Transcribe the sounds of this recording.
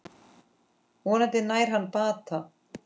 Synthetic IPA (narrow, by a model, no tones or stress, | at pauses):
ɔnat̪ɪnaːjɾ̥ɦanːpaːt̪a